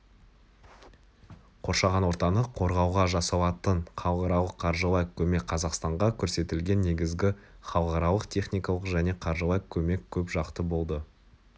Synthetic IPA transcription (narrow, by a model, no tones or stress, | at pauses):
qʰo̞ɾʃɑʁɑnwo̞ɾt̪ɑnəqʰo̞ɾʁɑwʁɑʒɑsɑlˠɑt̪əɴqʰɑlˠqɑɾɑlˠəqʰːɑɾʒəlˠɑjqkʲʰɵme̞k̚qʰɑzɑqst̪ɑɴʁɑkʲʰɵɾse̞t̪ɪlɡʲe̞nːe̞ɡʲɪzɡʲɪχɑlˠqɑɾɑlˠəqt̪ʰe̞χnijkɑlˠəqʒæne̞qʰɑɾʒəlɑjqkʲʰɵme̞kʲʰɵpʒɑqt̪əbo̞lˠd̪ə